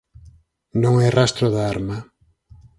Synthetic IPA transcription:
nõŋɛrast̪ɾoðaaɾma

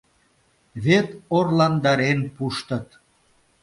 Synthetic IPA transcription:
βet̪orlɑnd̪ɑɾenpuʃt̪ə̆t̪

